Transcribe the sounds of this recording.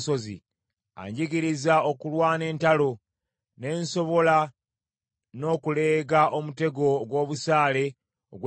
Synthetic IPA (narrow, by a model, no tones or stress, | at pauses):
so̞zḭ | a̰ɲɟiɡiɾizao̞kulwaːne̞ːntalo̞ | ne̞ːnso̞βo̞la | no̞ːkule̞ːɡaʔomute̞ɡo̞ɡwo̞ːβusaːle̞ | o̰ɡw